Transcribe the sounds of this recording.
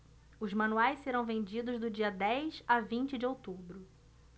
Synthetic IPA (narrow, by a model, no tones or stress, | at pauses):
ʊzmɐ̃nuajsseɾɐ̃w̃vẽnd͡ʒid̪ʊzd̪ʊd͡ʒiɐd̪ɛjsavĩnt͡ʃɪd͡ʒɪowt̪ubɾʊ